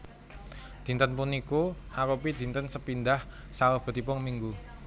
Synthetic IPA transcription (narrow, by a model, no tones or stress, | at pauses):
d̪̥i̤nt̪ənpunikoʔaɾupid̪̥i̤nt̪ənsəpind̪ah | saəb̥ə̤t̪ipʊŋmiŋɡu